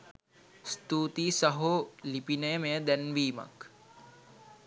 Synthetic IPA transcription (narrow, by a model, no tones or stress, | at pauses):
st̪uːt̪iːsɐɦoːlipinəjəmejəd̪ɛnʋiːma̰k